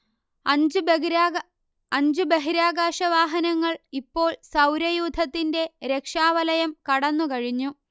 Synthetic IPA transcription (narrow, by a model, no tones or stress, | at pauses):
ɐd͡ʑub | ɐɲd͡ʑubeɦiɾaːɡaːʂɐʋaːɦɐnɐŋːɐɭipːo̞ːɭsɐwɾɐjuːd̪ʱɐt̪ːinde̞ɾe̞kʂaːʋɐlɐjɐmkɐɽɐnːukɐɻiɲːu